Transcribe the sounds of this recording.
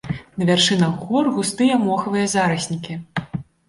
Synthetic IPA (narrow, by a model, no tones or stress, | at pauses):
nɐvʲarʂɨnɐɣɣɔrɣust̪ɨjɐmɔxɐvɨjɐzaɾɐsʲnʲikʲi